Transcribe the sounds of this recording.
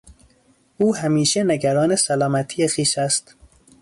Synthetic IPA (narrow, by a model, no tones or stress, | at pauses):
ʔuːhæmiːʃeneɡæɾɒːnesælɒːmæt̪ʰijexiːʃæst̪